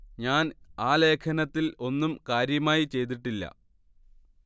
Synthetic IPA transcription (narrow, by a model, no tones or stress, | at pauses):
ɲaːnaːle̞ːkʰɐnɐt̪ːilo̞nːumkaːɾjɐmaːjit͡ɕe̞jt̪̬iʈːilːɐ̰